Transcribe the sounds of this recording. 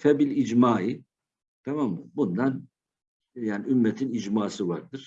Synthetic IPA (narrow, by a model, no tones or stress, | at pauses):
fɛbilʲid͡ʒmaːi | t̪ʰamamːabund̪an | jaːniymːɛt̪ʰinid͡ʒmaːsɯva̰ɾd̪ɯɾ̥